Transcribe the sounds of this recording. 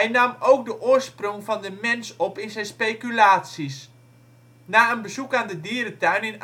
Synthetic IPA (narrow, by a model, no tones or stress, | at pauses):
ɛjnɑmowk̚dəʔoːrsproŋfɑndəmɛnsɔpɪnzɛjnspejkylaːtsis | naːənbəzukaːndədiəɾətœɥnɪn